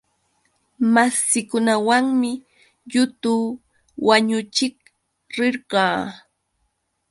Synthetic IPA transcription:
masɪkʊnawaŋmɪ | ʎʊt̪uː | waɲʊt͡ʃɪk | ɾɪɾɢɑː

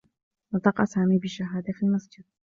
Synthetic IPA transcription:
nɨt̪ˤɑːqɑ̰saːmibiʃaɦaːd̪afilmasd͡ʒɪd̪̥̚

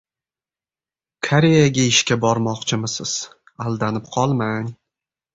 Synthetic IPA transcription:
kʰaɾe̞jaɡʲaɪʃkʲabɒɾmɒqt͡ʃʰɪmɪsɪz̥ | alˠd̪anɪpqʰɒlˠmanʲ

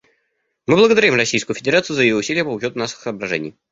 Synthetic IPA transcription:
mɨblˠəɡəd̪ɐɾʲimrɐsʲijskʊjʊfʲɪdʲɪɾat̪sɨjʊzəjɪjoʊsʲilʲɪjəpəʊt͡ɕo̞t̪ʊnaʂɨ̥xsəːbɾɐʐɛ̰nʲɪ̰j

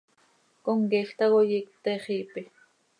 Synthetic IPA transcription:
koŋkiɬt̪ɑɣojikt̪eːχiːpi

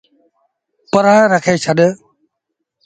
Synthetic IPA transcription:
pəɾãɾəkʰeːt͡ʃʰəɗ

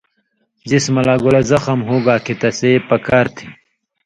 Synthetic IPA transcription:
zismɐlaːɡolɐzɐxɐmɦoːɡaːkit̪ɐseːpɐkaːɾt̪ʰi̥

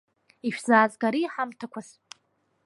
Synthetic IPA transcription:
iʃᶣz̥aːzɡaɾiħamtʰakʷʰaz

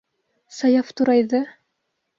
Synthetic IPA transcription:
sɑjɑft̪uɾɑjðɤ

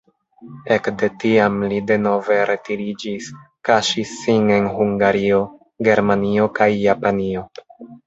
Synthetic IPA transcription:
e̞kde̞tiamlide̞no̞ve̞ɾʔe̞tiɾid͡ʒiskaʃisːine̞nɦuŋɡaɾio̞ | ɡe̞ɾmanio̞kajːapanio̞

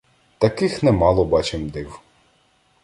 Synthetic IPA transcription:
t̪ɐkɪxnɛmɑlˠɔbɑt͡ʃɪmd̪ɪw

